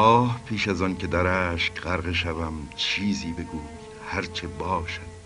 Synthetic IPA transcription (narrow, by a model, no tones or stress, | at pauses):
ɒːhpʰiːʃæzɒːncʰed̪æɾæːʃkɢæɾɣeʃævæmt͡ʃʰiːziːbe̞ɡuːji | hæɾt͡ʃʰebɒːʃæd̪̥